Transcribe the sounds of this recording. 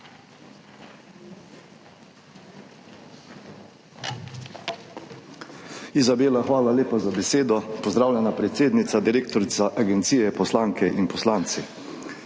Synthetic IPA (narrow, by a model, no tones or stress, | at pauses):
izabeːlaxʋaːlaleːpazabɛseːd̪ɔpɔzd̪ɾaːwlʲjɛnapɾɛt̪seːd̪nit̪sad̪iɾeːk̚t̪ɔɾit̪saʔaɡɛnt̪siːjɛpɔslaːŋkʰɛʔinpɔslaːnt̪si